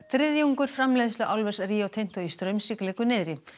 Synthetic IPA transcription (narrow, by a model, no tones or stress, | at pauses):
θɾɪðjauŋkʏɾ̥fɾamlejðʏslʏʔawlvɛrsɾiawt̪ʰejn̥t̪ɔist̪ɾœɥmsiklɛːkʏnɪðɾɪ